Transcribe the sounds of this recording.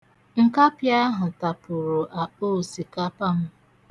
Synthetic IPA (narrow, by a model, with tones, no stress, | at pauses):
ŋ̩˨ka˦pja˦ɦʊ˨ta˨pʊ˨ɾʊ˨ʔa˨o˦˨si˨ka˦pa˦m̩˦